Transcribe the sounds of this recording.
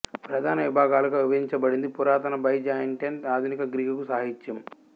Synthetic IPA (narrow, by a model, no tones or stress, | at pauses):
pɾɐd̪ʱaːnɐʋibʱaːɡaːlɐɡɐːuʋɐɦiɲt͡ʃɐbɐɽind̪ipuɾaːt̪ɐnɐbɐjd͡ʒaːjɐɳʈenʈaːd̪ʱunikɐɡɾiːɡɐkusɐːɦit͡ʃːɐm